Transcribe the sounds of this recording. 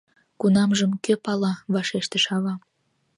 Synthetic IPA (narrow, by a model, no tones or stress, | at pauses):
kunɑmʒəmkøpɑlɑβɑʃeʃt̪əʃɑβɑ